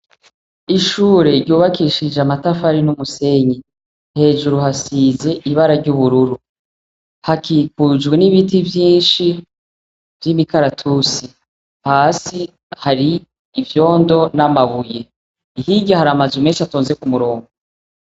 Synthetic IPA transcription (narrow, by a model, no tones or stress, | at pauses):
iʃuːɾe̞ɾɟuːβakiʃid͡ʒeamatafaɾinumuse̞ɲi | he̞ːʒuɾuhasiːze̞ʔiβaɾaɾɟuβuɾuɾu | hakiːkud͡ʒɡwe̞niβitivjiːnʃi | vjimikaɾatʰusi | haːsi | haɾiː | vjo̞ːndo̞namaβuje̞ | iɦiɟahaɾamazumeːnʃiatoːnzekumuɾo̞ːŋɡo